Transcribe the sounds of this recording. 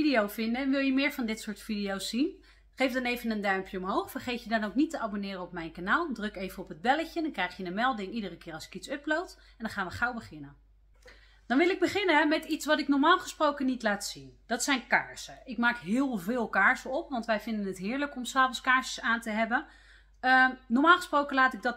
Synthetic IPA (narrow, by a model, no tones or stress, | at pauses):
idijowvɪndəɛnʋɪlˠjəmɪːɹvɑndɪtsʊːɹtfidijowsːin | χejfdɑnejvənəndœɥmpjəɔmɦowχfərχejtjədɑnowknitəabonɪːrəɔp̚mɛjnkanaːlˠdrøkejvənɔpɦəd̚bɛləcədɑŋkrɛjχjədənmɛlˠdɪŋidərəkɪːrɑlˠsɪ̥kitsɵplowt | ɛndɑnχaːnʋəχɑwbəχɪnən | d̥ɑnʋɪlɪɡ̚bəχɪnəɦɛmɛtitsʋɑtɪknɔɹmaːlˠχəsprowkənitlaːtsind̥ɑtsɛjnkaːɹsəɪkmaːkɦɪːlˠvɪːlˠkaːɹsəɔpʋɑntʋɛjvɪndənɦətɦɪːɹləkɔmsaːpənskaːɹsəsaːntəɦɛbən | ənɔɹmaːlˠχə̥sprowkənlaːtɪɡ̚dɑt